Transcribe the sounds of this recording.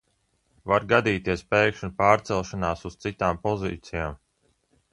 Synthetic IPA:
vaɾɡad̪iːt̪iɛspɛjkʃunpaːɾt̪sɛlˠʃanaːsuz̥t̪sit̪aːmpɔzḭːt̪sijaːm

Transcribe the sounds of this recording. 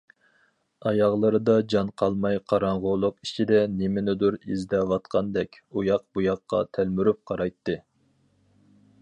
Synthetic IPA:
ɑjɑʁlˠɨɾɨd̪ɑd͡ʒɑnqʰɑlˠmɑjqʰɑɾɑɴʁʊlˠʊqit͡ʃʰid̪ɛnemɪnɪd̪uɾizd̪ɛwɑt̪qʰɑnd̪ɛkʲ | ujɑq̚bujɑqːɑ̰t̪ʰælmyɾyp̚qʰɑɾɑjt̪ːɨ

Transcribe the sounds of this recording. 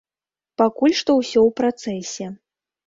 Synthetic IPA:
pakulʲʂt̪ɔwsʲɔwpɾat̪sɛsʲɛ

